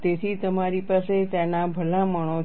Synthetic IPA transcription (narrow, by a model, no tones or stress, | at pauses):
t̪et̪ʰit̪əmaɾipaset̪enabʱəlaməɳ̃o